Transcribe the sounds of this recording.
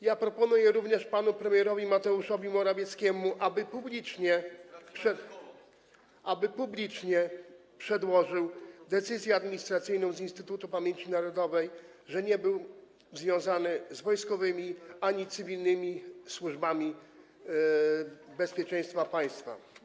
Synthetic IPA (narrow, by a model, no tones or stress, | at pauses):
japɾɔpɔnujɛɾuvɲɛʂpanupɾɛmʲjɛɾɔvʲimat̪ɛuʂɔvʲimɔɾavʲjɛt̪skʲɛmuʔabɘpublʲit͡ʂɲɛpʂɛ | ʔabɘpublʲit͡ʂɲɛpʂɛd̪wɔʐɘwd̪ɛt̪sɘzʲjɛad̪mʲiɲist̪ɾat̪sɘjnɔ̃w̃zinst̪ɘt̪ut̪upamʲjeɲt͡ɕinaɾɔd̪ɔvɛj | ʐɛɲɛbɘw | zvʲjɔ̃w̃zanɘzvɔjskɔvɘmʲiaɲit̪sɘvʲilnɘmʲiswuʐbamʲi | bɛspʲjɛt͡ʂɛ̃j̃st̪fapaj̃st̪fa̰